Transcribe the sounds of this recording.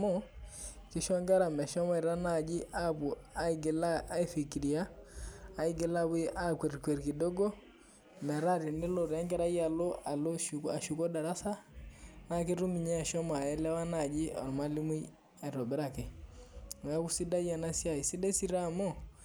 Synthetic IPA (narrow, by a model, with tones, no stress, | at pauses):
mɔ˦ | ki˦ʃɔ˦ŋɡa˦ɾa˨mɛ˨ʃɔ˦ma˦i˨ɾa˦na˨d͡ʒi˦ʔa˦bu˨a˦ɡla˦a˦i˦fi˨ki˨ɾi˨aː˦ | i˦ɡe˨la˦bu˦ʔa˦kɛ˨ɾkwɛ˨ɾki˨dɔ˦ɡɔ˦ | mɛ˨ɾa˦ɾi˨nɪ˦lo˨ɾɛ˦ŋɡɛ˦ɾa˦ja˨lo˦a˨lo˦ʃa˨ʃu˨kɔ˦da˨ɾa˦sa˦na˨ki˦ɾu˦mi˨ɲɛ˦˨ʃɔ˦ma˨ɛ˦lɛ˦wa˦na˨d͡ʒi˦ɔ̰˨ɾma˦li˦mu˦j | a˨i˨ɾɔ˨bɛ˦ɾa˦kɛ˨ | mɛ˨a˦ku˦si˦da˦ja˨na˦si˦a˨i˨si˦dɛ˦si˦ɾa˦mɔ˦